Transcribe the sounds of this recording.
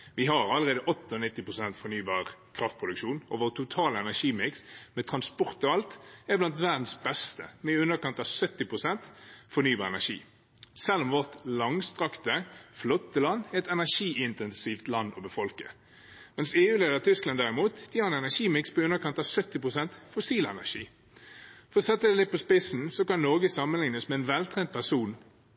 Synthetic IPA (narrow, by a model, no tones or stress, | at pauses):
ʋɪɦɑɾɑləʁeːd̪əʔɔt̪ːəɔnɪt̪ːɪpʁʊsɛnt̪fɔɾnyːbɑːʁkʰʁɑft̪pʰʁʊd̪ʉkʃuːnɔʋoːʁt̪ʰʊt̪ʰɑːləɛnæʂiːmɪksmɛt̪ʰʁɑnspɔʁt̪ɔɑlt̪ɛblɑnt̪ʋæʁd̪n̩sbɛst̪ə̰mɛʉnːəkɑnt̪ɑʋsœt̪ːɪpʁʊsɛnt̪fɔʁnyːbɑːʁɛnæʂḭː | sɛlːɔmʋɔʁt̪lɑŋst̪ʁɑkt̪əflɔt̪ːəlɑnːɛt̪ɛnæʂiːɪnt̪ɛnsiːft̪lɑnːɔbəfɔlkə | mɛnseːʉːleːd̪əʁt̪ʰʏsklɑnd̪æʁɪmuːt̪d̪̥ɪɑɛnɛnæʂiːmɪkspʰɔʉnːəkɑnt̪ɑʋsœt̪ːɪpʁʊsɛnt̪fʊsiːlɛ̰næ̰ʂḭː | fɔʁɔsɛt̪ːəd̪ɛlɪt̪̚pʰɔspɪsn̩sɔkɑnːɔɡəsɑmənlɪŋnəsmɛɛnʋɛlt̪ʰʁɛːnt̪̚pʰæsuːn